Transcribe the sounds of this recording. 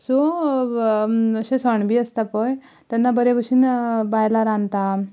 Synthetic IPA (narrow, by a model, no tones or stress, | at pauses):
so | əɕẽsəɳbʱiːəst̪apəj | t̪anːabəɾebəʂiːnbajlaɾãnt̪a